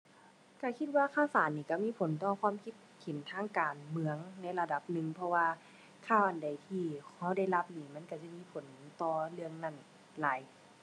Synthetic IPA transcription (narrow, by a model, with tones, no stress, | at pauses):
ka˧˩kʰi˧t̪̚waː˧˨kʰaː˧˥˨wsaː˨˦nːiː˧˩ka˧˩miː˧˥˨pʰo˨˦nt̪ɔː˧kʰwaː˧˥˨mkʰi˧˥t̪̚kʰe˨˩˦nt̪ʰaː˧˥ŋkaː˨˩nmɯ˧əŋna˧˥˨jla˧da˧˩p̚nɯ˧˨ŋpʰɔ˧waː˧ | kʰaː˧˥˩wʔa˨nda˨˩jt̪ʰiː˧hɔ˧˩˨da˧˩jla˧p̚niː˧˩ma˧˥˨nka˧˩t͡ɕa˧˩˨miː˧˥˨pʰo˨˩˦nt̪ɔː˧˩lɯ˧əŋna˧˩n | laː˨˦j